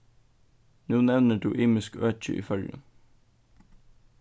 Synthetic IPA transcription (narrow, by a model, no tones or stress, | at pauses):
nuːnɛʋnəʈʰṵːʔiːmɪskøːt͡ʃə̰ʔḭːfœljə̰n